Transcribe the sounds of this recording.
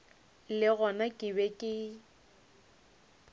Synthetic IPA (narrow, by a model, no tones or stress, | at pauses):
lɪɣɔnakʼɪbɛkʼɪ